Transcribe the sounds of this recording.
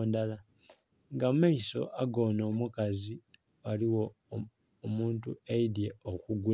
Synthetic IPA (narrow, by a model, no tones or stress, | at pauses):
ndala | ŋɡamaiso̞̰ʔaɡo̞ːno̞ːmukazi | aliwoː | muːntueidje̞okuɡu